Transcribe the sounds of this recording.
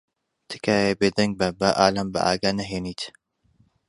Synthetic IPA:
t̪ʰɨ̥kʰaːjebeːd̪ɐŋɡ̚bɐbɐʔaːlɐmbɐ̰ʔa̰ːɡanɐɦeːniːt̪

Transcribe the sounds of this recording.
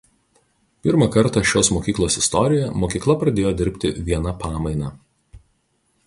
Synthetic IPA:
pʲɪɾmɐkɐɾt̪ɑʃʲoːsmoːkʲiːklˠoːsɪst̪ɔɾʲɪjɛmoːkʲiːklˠɐpɾɐd̪ʲeːjoːd̪ʲɪɾʲpʲt̪ʲɪʋʲiɛnɐpɑːmɐɪnɑː

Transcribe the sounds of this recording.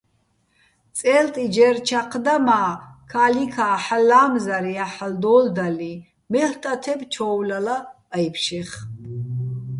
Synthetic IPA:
t͡sʼɛːlt̪ʼid͡ʒɛɾt͡ʃʰaqʰd̪amaːkʰalikʰaːħalːaːmzaɾiaħald̪ɔːld̪ali | mɛɬt̪ʼat̪ʰɛbt͡ʃʰɔːwlalaː | jpʰʃiχ

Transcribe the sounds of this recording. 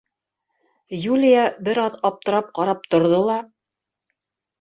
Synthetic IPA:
julʲijabɘɾɑðɑp̚t̪ɤ̆ɾɑp̚qɑɾɑp̚t̪ŏɾðolˠɑ

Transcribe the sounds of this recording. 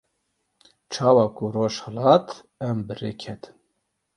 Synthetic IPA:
t͡ʃʰɑːwɑːkuroːʃhɛlɑːt̪ | ɛmbɨreːkʰɛt̪ʰɨ̥m

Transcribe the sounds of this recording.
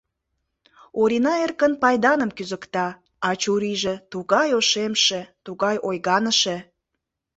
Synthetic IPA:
oɾinɑerkənpɑjd̪ɑnəmkyzəkt̪ɑ | ɑt͡ɕuɾiʒĕt̪uɣɑjoʃemʃet̪uɣɑjʔojɣɑnəʃe

